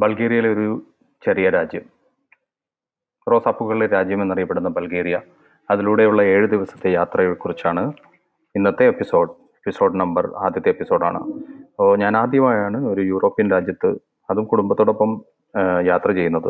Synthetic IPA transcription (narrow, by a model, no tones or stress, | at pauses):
bɐlɡeːɾijɐjilo̞ɾu | t͡ɕe̞rijɐɾaːd͡ʑjɐm | ro̞ːsaːpːuɣɐɭileɾaːd͡ʑjɐmenːɐrijɐpːe̞ɽunːɐbɐlɡeːɾijɐː | ðiluːɽe̞juɭːɐe̞ːɻud̪iʋɐsɐ̥t̪ːe̞jaːt̪rɐjɐɭkurit͡ɕːaːɳɨ | inːɐt̪ːe̞ːpːiso̞ːɖ | epːiso̞ːɖnɐmbɐra̰ːd̪ʱjɐt̪ːeːpːiso̞ːɽa̰ːɳɨ̰ɐpːoɲaːnaːd̪ʱjɐmaːjaːɳɨo̞ɾujuːro̞ːpːijɐnɾaːd͡ʑjɐt̪ːɨ | ɐðumkuɽumbɐt̪ːoːɽo̞pːɐm | jaːt̪rɐt͡ɕe̞jːunːɐðɨ